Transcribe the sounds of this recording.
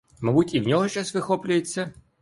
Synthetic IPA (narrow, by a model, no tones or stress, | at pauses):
mɐbutʲiwnʲɔɦɔʃt͡ʃasʋɪxɔplʲʊjet͡sʲːɐ